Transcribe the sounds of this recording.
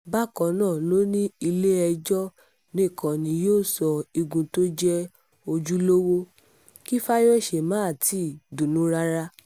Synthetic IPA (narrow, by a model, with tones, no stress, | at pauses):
ba˦kɔ̃˨˦nãː˦˨lo˦nĩ˦i˧le˦ɛ˧d͡ʒɔ˦ | nĩ˦˨kʰɔ̃˨nĩ˧joː˦˨sɔ˧i˧ɡũ˧to˦d͡ʒɛ˦ | o˧d͡ʒu˦lo˦wo˦ | ki˦fa˦jɔ˦˨ʃe˨mã˨˦a˨ti˨˦˨dũ˨nũ˦ɾa˦ɾa˦